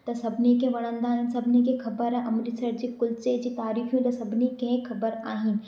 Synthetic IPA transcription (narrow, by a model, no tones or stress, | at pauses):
d̪ɐsɐbnikẽʋɐɽ̃ə̃nd̪aːɦinsɐbnik̬ekʰɐbəɾɛ̃ʔɐmɾisɐɾd͡ʒikʊlsed͡ʒit̪aːɾiːfʰjõd̪ɐsɐbnikẽkʰɐbəɾaːɦin